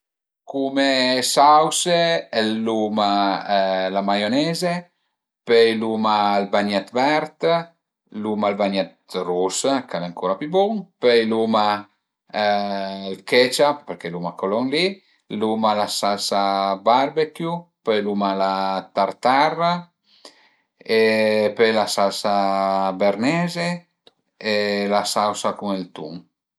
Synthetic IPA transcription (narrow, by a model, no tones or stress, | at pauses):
kumesawselːuma | lamajonɛːze | pejlumalbaɲat̪vɛɾt̪ | lumalbaɲat̪ruskalɛaŋkʰoːɾapjubɔŋpɛjluma | lkɛt͡ʃappeɾkelumakolɔŋli | lumalasalsabaɾbekjupejlumalat̪aɾt̪ara | epelasalsabeɾnɛːze | elasawsakuŋelt̪ṵŋ